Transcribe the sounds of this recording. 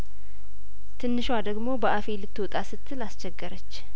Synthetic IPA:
t̪ʰɨnːɨʃwad̪əɡmo̞bəʔafe̞lɨt̪ːwɔt̪ʼasɨt̪ʰːɨlast͡ʃɛɡːəɾət͡ʃː

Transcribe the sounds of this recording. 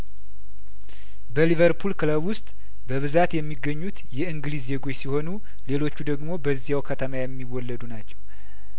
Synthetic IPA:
bəlivəɾpʰulkləβwʊst̪ʼ | bəβɨzat̪jɛmːiɡːəɲːut̪jɛɨŋɡɨlizːe̞ɡo̞t͡ʃːsiho̞nu | le̞lo̞t͡ʃːud̪əɡmo̞bəzːijawkʰət̪ʰəmajɛmːiwɔlːəd̪unat͡ʃːɛw

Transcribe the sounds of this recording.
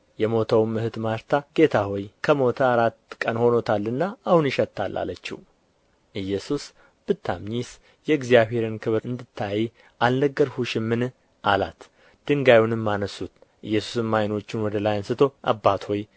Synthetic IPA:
jɛmo̞t̪ʰəwmɨhɨt̪maɾt̪ʰaɡe̞t̪ʰahojkʰəmo̞t̪ʰaːɾat̪kʼənho̞no̞t̪ʰalːɨnːaːhunjɪʃɛt̪ʰːalːʔa̰lət͡ʃːɪ̰w | ʔɨjːɛsus | b̥ɨt̪ʰːamɲis | jɛɨɡzijaβhe̞ɾɨnkʰɨβɾɨnd̪ɨt̪ʰːaji | ʔalnəɡːəɾhuʃɪmːɨn | ʔalat̪ | d̪̥ɨŋɡajunɨmːanəsut̪ | ʔɨ̰jːɛsu̥sɨmːajno̞t͡ʃːɪnwɔd̪əlajansɨt̪ʰo̞ʔa̰bːat̪ho̞j

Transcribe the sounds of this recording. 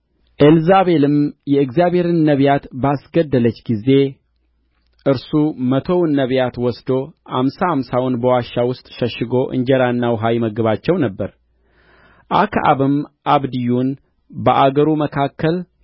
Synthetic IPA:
ʔelzaβe̞lɨmjɛɨɡzijaβhe̞ɾɨnːəβjat̪basɡəd̪ːələt͡ʃːɡize̞ | ʔɨɾsumət̪ʰo̞wnːəβjat̪wɔsd̪o̞ha̰msahamsawʊnbəwaʃːawʊst̪ʼʃəʃɨɡo̞ʔɨ̰ɲd͡ʒɛɾanːawɦajməɡəβat͡ʃːɛwnəbːəɾ | ʔa̰kʰaʔa̰βɨmʔaβd̪ijun | bəʔaɡəɾuməkʰakʰːəl

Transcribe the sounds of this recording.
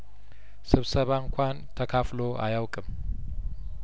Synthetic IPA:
sɨβsəβaɨŋkʷʰant̪ʰəkʰafloʔa̰jawkʼɨm

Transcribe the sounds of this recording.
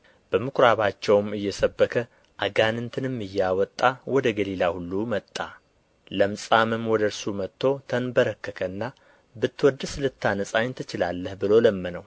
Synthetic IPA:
b̥əmɨkɾaβat͡ʃːɛwmɨjːɛsəbːəkʰə | ʔaɡanɨnt̪ʰɨnɨmːɨjːawɔt̪ʼːawɔd̪əɡəlilahulːumət̪ʼːa | ləmsʼamɨmwɔd̪əɾsumət̪ʰːo̞t̪ʰənbəɾəkːəkʰənːa | bɨt̪ːwɔd̪ːɨsɨlɨt̪ʰːanəsʼaɲnt̪ʰɨt͡ʃɪlalːəhbɨlo̞ləmːənəw

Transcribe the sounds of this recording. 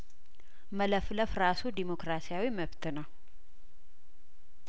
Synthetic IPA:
mələfləfɾasud̪imo̞kɾasijawiməβt̪ʰɨnəw

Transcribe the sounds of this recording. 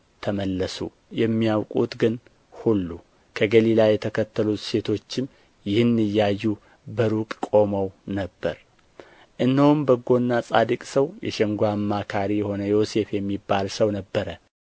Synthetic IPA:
t̪ʰəməlːəsṵ | jɛmːijawkʼut̪ɡɨn | hulːu | kʰəɡəlilajɛt̪ʰəkʰət̪ʰːəlut̪se̞t̪ʰo̞t͡ʃːɪm | jɪhɨnːɨjːajːu | bəɾukʼkʼo̞məwnəbːəɾ | ʔɨnːəwumbəɡo̞nːasʼad̪ɨkʼsəwjɛ̰ʃɛŋɡʷamːakʰaɾijɛho̞nəjo̞se̞fjɛmːibːalsəwnəbːəɾə

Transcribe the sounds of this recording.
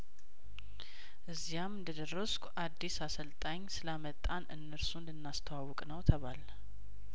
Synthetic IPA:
ʔɨzːijamɨnd̪əd̪ərːəskʷʔad̪ːisasəlt̪ʼaɲːsɨlamət̪ʼːanʔɨ̰nːəɾsund̪ɨnːast̪ʰəwawɔkʼnəwt̪ʰəβal

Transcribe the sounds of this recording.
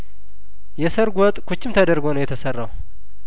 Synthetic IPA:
jɛsəɾɡʷɔt̪ʼkʰut͡ʃːɪmt̪ʰəd̪əɾɡonəwjɛt̪ʰəsərːaw

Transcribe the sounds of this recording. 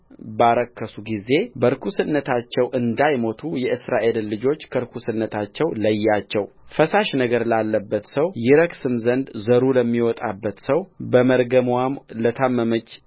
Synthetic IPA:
baɾəkʰːəsuɡize̞bəɾkʰusɨnːət̪ʰat͡ʃːɛwʔɨnd̪ajmo̞t̪ʰujɛʔɨsɾaʔe̞lːɨd͡ʒo̞t͡ʃːkʰəɾkʰusɨnːət̪ʰat͡ʃːɛwləjːat͡ʃːɛw | fəsaʃnəɡəɾlalːəbːət̪səwjɪɾəksɨmzənd̪zəɾuləmːiwɔt̪ʼa̰bːət̪səwbəməɾɡəmwamlət̪ʰamːəmət͡ʃ

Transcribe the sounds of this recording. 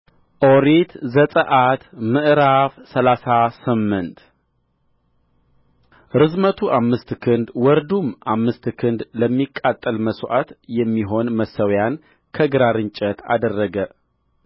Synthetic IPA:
ʔoɾit̪zət̪ʼəʔat̪mɨʔɾafsəlasasɨmːɨnt̪ | ɾɨzmət̪ʰuʔamːɨst̪kʰɨnd̪wɔɾd̪umamːɨst̪kʰɨnd̪ləmːikʼːat̪ʼːəlməsʔat̪jɛmːiɦo̞nməsəwjan | kʰəɡɨɾaɾɨɲt͡ʃʼət̪a̰d̪ərːəɡə

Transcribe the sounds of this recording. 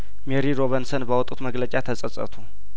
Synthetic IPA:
meɾiɾo̞βensənbəwɔt̪ʼːut̪məɡlət͡ʃʼat̪ʰəsʼəsʼə̰t̪ʰu

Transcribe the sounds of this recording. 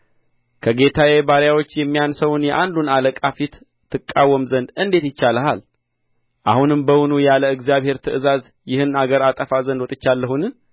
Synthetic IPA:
kʰəɡe̞t̪ʰajebaɾjawo̞t͡ʃːjɛmːijansəwnjɛʔand̪unaləkʼafit̪ʰː | ɨkʼːawːəmzənd̪ɨnd̪e̞t̪jɪt͡ʃːaləhal | ʔahunɨmbəwʊnujaləɨɡzijaβhe̞ɾt̪ʰɨʔɨzaz | jɪhɨnaɡəɾat̪ʼəfazənd̪wt̪ʼɪt͡ʃːalːəhunɨn

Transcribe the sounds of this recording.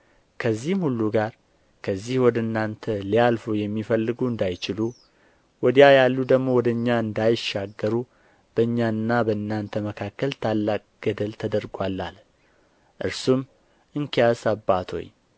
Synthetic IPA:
kʰəzːihmhulːuɡaɾ | kʰəzːihwɔd̪əɨnːant̪ʰəlijalfojɛmːifəlːɨɡuɨnd̪ajt͡ʃɪlu | wɔd̪ijajalːud̪əɡmo̞wɔd̪əɨɲːaɨnd̪ajʃːaɡːəɾu | b̥əɨɲːaɨnːabəɨnːant̪ʰəməkʰakːəlt̪ʰalːak̚ʼɡ̥əd̪əlt̪ʰəd̪əɾɡwalːa̰l | ʔɨɾsum | ʔɨŋkʰijasabːat̪ʰo̰ɲ

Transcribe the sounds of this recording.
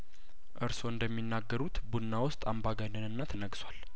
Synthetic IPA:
ʔɨɾso̞ɨnd̪əmːinːaɡːəɾut̪bunːawʊst̪ʼambaɡanɨnɨnːat̪ʰənəɡswal

